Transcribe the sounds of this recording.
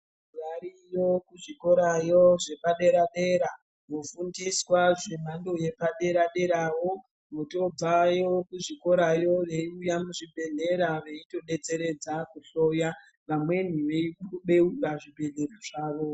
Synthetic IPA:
uraɾijokuʐiko̞ɾajoʐe̞paɗe̞ɾaɗe̞ɾa | ɦofundiswaʐem̤ando̞je̞paɗe̞ɾaɗe̞ɾawo | moto̞b͡vajokuʐiko̞ɾajo̞je̞iujamuʐibʱe̞neɾaʋe̞ito̞ɗe̞t͡se̞ɾe̞d͡zakuɬo̞ja | ʋamwe̞n̤uʋeiɓe̞ukaʐibʱe̞neɾaʐaːʋo̞

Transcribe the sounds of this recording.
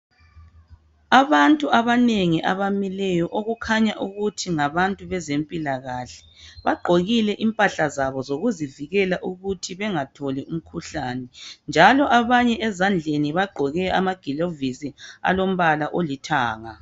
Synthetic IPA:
aβantʼuʔaβaneŋiʔa̰βamilɛjɔʔoɣukʰaɲaʔuɣutʰiŋaβantʼuβɛzempʼilaɣaɬɛ̥ | βaɡ͡ǃʱoɣilɛʔimpʼaɬazaβɔzoɣuziviɣɛlaʔuɣutʰiβɛŋatʰɔlɛum̩kʰuɬanɛnd͡ʒʱalɔʔaβaɲɛʔɛzand͡ɮʱeniβaɡ͡ǃʱɔɣɛa̰maɡ̥ʱilovisia̰lom̩βalaʔolitʰaːŋa

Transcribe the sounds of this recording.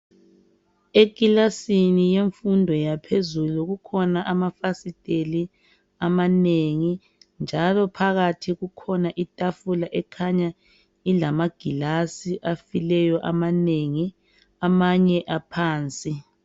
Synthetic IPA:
eɡ̥ʱilasinijeɱfundʱɔjapʰezuluɣukʰɔnaʔamafasid̥ʱʼeli | amaneŋi | nd͡ʒʱalɔpʰaɣatʰiɣukʰɔnaʔitʼafulaʔɛkʰaɲa | ilamaɡ̥ʱilasiʔafilɛjɔʔamaneŋi | amaɲɛʔapʰaːnt͡sʼi

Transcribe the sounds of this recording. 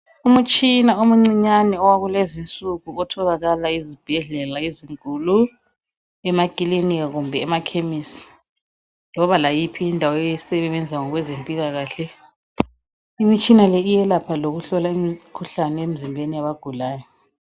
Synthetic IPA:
umut͡ʃʼinaumuŋ͡ǀiɲanɛɔwaɣulezint͡sʼuɣuɔtʰɔɣaɣalaizib̥ʱɛɮɛlaiziŋkʼulu | ɛmakʼileniɣaɣumbʱɛːmakʰemisi̥ | lɔβalajipʰiːndʱawɔɛjisɛβɛβɛnd͡zʱaŋɔɣwɛzempʼilaɣaːɬɛ | imit͡ʃʼinalɛijɛlapʰaloɣuɬɔlaimikʰuɬanɛem̩zimbʱenijaβaɡ̥ʱulaːjɔ

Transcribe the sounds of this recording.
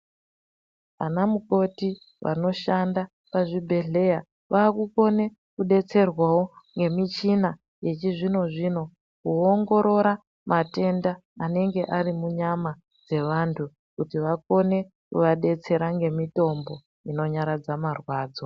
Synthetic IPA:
anamuko̞ti | ʋa̰no̞ʃanda | paʐibʱe̞ɮe̞ja | ʋaːkuko̞ne̞ | kuɗe̞t͡se̞rwawoŋɡe̞mit͡ʃina | je̞t͡ʃiʐino̞ʐino̞ | kuoŋɡo̞ɾo̞ɾa | mʔate̞ndaː | ne̞ŋɡe̞ʔarimuɲama | d͡ze̞ʋantʰu | kutiʋako̞ne̞ | kuʋaɗe̞t͡se̞ɾaŋɡe̞mito̞mbo̞ | ino̞ɲaɾad͡zamarwaːd͡zo̞

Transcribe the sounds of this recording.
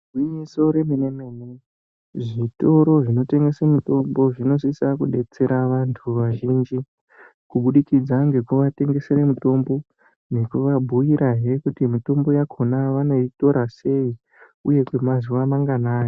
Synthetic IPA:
rwiɲiso̞ɾeminemeːmu | ʐito̞ɾo̞ʐino̞te̞ŋɡe̞semito̞mbo̞ʐino̞sisakuɗe̞t͡se̞ɾaʋantʰuʋaʒiːnd͡ʒi | kuɓuɗikid͡zaŋɡe̞kuʋate̞ŋɡe̞se̞ɾemito̞mbo̞ | ne̞kuʋabʱujiɾʔaɦe̞kutimito̞mbo̞jakʰo̞naʋano̞ito̞ɾase̞i | uje̞kwemazuʋamaŋɡanaːjo

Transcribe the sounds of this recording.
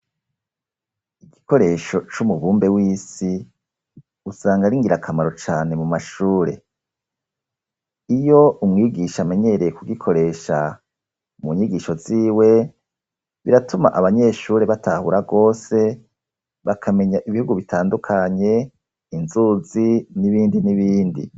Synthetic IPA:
iɡiko̞ɾe̞ʃo̞t͡ʃumuβuːmbe̞wiːsi | usaːŋɡaɾiŋɡiɾakʰamaɾo̞t͡ʃaːne̞mumaʃuːɾe̞ | ijo̞umŋiːɡiʃame̞ɲe̞ɾejekuɡikʰo̞ɾe̞ːʃa̰ | muɲiɡiːʃo̞ziːwe̞ | βiɾatuma̰ʔaβaɲe̞ːʃuːɾe̞βatʰahuɾaɡo̞ːse̞ | βakʰame̞ɲaʔiβihuɡuβitʰaːndukʰaɲe̞ | inzuziniβiːndiniβiːndḭ

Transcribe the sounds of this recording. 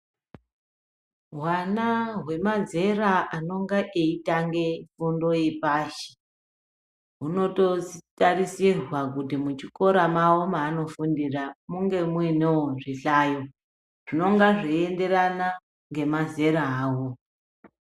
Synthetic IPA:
ɦwanaɦwe̞maze̞raʔano̞ŋɡaʔeitaŋɡefundo̞jepaʃi̥ | ɦuno̞to̞zitarisirwak̬utimut͡ʃiko̞ɾamaomaːno̞fundiramuŋɡe̞muinewoʐiɬaːjo̞ | ʐ̥ino̞ŋɡaʐiende̞ɾana | ŋɡe̞maze̞ɾaaːwo

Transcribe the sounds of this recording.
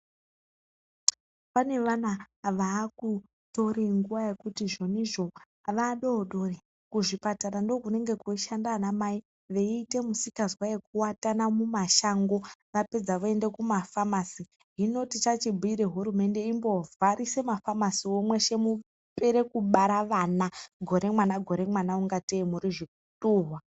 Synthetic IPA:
pane̞ʋana | ʋaːku | to̞ɾiŋɡuʋaje̞kutiʐo̞niʐo̞ | ʋaɗo̞ːɗo̞ri | kuʐipataɾando̞kune̞ŋɡe̞koiʃandaːnamai | ʋe̞iːte̞musikazwaje̞k̚uwatanamumaʃaŋɡo̞ʋaped͡zaʋue̞nde̞kumafamasi | ɦino̞tit͡ʃat͡ʃibʱuiɾe̞ɦuɾume̞nde̞imbo̞vaɾʔise̞mafamasiomwe̞ʃe̞mu | pe̞ɾe̞kuɓaɾaʋanaɡʱo̞ɾe̞mwanaɡʱo̞ɾe̞mwanauŋɡateimuɾiʐik̚utuːɦwa

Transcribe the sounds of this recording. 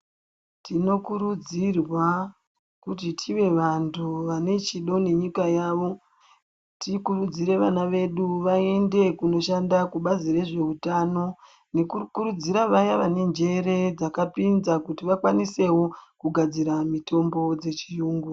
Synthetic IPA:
tʰino̞kuɾud͡zirwa | kut̬itʰiʋe̞ʋantʰuʋane̞t͡ʃiɗo̞ne̞ɲikajaʋo̞ | tikurud͡ziɾe̞ʋanaʋe̞ɗuʋae̞nde̞kuno̞ʃandakuɓazire̞ʐe̞utano̞ | nekukuɾud͡ziɾaʋajaʋane̞nd͡ʒe̞ɾe̞d͡zakapinzakutiʋakwanise̞wokuɡʱad͡ziɾamitʰo̞mbo̞d͡ze̞t͡ʃijuːŋɡu

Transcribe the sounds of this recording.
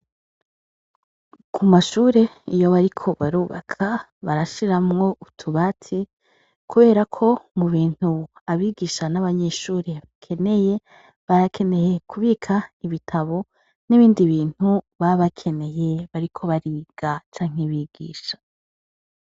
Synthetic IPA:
kʰumaʃuːɾe̞ijo̞βaɾikʰo̞βaɾuːβa̰kʰa | βaɾaʃiɾamŋo̞utʰuβatʰi | kuβe̞ːɾakʰo̞muβiːn̥huaβiːɡiːʃanaβaɲe̞ʃuːɾe̞βakʰe̞ne̞je̞ | βaɾakʰe̞ne̞je̞kʰuβiːkʰaiβitʰaβo̞ | niβiːndiβiːn̥huβaβakʰe̞ne̞je̞βaɾikʰo̞βaɾiɡ̥at͡ʃaːŋ̥eβiɡ̥ḭːʃḁ

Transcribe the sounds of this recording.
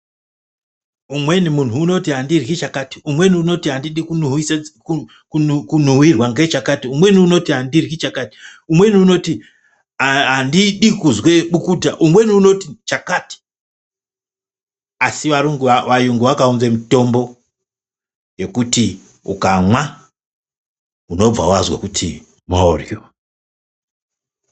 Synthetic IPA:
umwe̞nimun̤uːno̞tiɦandirit͡ʃakati̥umwe̞niuno̞tiɦandiɗikunuɦisku | kukunuwirwaŋɡet͡ʃakatiumwe̞niuno̞tiɦandirɦit͡ʃakaːti̥umwe̞niuno̞ti | ɦandiɗikuzwe̞ɓukutaʔumwe̞niuno̞tit͡ʃakaːti̥ | asiʋaɾuŋɡuʋajuŋɡuʋakaunvemito̞mbo̞ | je̞kuti | ṵkamwa | uno̞b͡va̰wazwa̰kutʰḭ | mao̰rjo̰

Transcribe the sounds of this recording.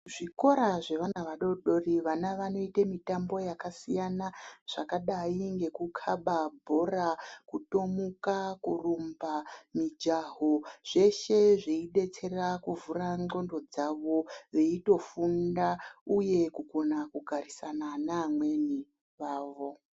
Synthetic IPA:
ʐ̥iko̞ɾaʐe̞ʋanaʋaɗo̞ɗo̞riʋanaʋano̞itemitambo̞jakasijanaʐ̥akaɗaiŋɡe̞kukʰaɓabʱo̞rakuto̞mukakurumbamid͡ʒaɦoʐ̥e̞ʃe̞ʐeiɗe̞t͡se̞rakuvuraŋ͡ǃo̞ndo̞d͡zaʋo̞ʋeito̞fundauje̞kuɡʱo̞nakuɡʱarisananaːmwe̞ni | ʋaːʋo̞

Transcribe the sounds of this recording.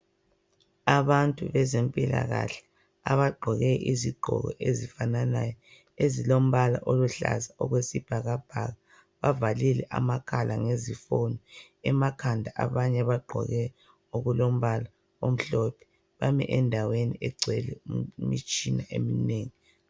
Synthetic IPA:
aβantʼuβɛzempʼila̰ɣaɬɛ̥ | aβaɡ͡ǃʱɔɣɛʔiziɡ͡ǃʱɔ̰ɣɔ̰ʔezifananajɔ | ezilom̩βalaʔoluɬa̰zaɔɣwesib̥ʱaɣab̥ʱaɣa | βavalilɛʔa̰makʰalʔaŋezifonɔ | ɛmakʰandʱaʔaβaɲɛβaɡ͡ǃʱɔ̰ɣɛ | oɣulom̩βala | om̩ɬɔpʰɛ̥ | βamɛ̰ʔɛndʱaweniʔɛɡ͡ǀʱwɛlɛmit͡ʃʼinaʔemineːŋi

